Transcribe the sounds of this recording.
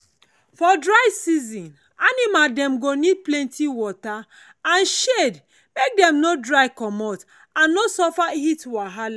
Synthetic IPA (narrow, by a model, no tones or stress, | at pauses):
fɔdɹaɪsizĩn | animadɛ̃mɡonid̚plɛ̃ntiwɔta | ãnʃed | mek̚dɛ̃mnodɹaɪkɔmɔt | ãnːosɔfahitwaɦala